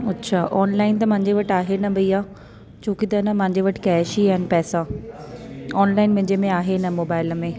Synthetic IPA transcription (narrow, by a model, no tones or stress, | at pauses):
ɐtːɕʰaːʔɔːnlaːɪnt̪ɐmɐ̃ɦɪ̃ɲd͡ʑeʋɐʈaːɦenɐbʱɐiaː | t͡ɕoːkit̪ɐɪnəmɐ̃ɦɪ̃ɲd͡ʑeʋɐʈɪ̥kɛːʃiaːɦɪnɪ̆pɛːsa | ɔːnlaːɪnmʊ̃ɦɲd͡ʑemẽaːɦenɐmoːbaːɪləmẽː